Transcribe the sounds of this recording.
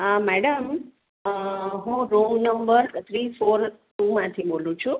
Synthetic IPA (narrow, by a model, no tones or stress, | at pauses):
amɛɽəm | ɦũɾoŋɡnəmbəɾt̪ʰɾifoɾʈumãt̪ʰibolũt͡ʃʰu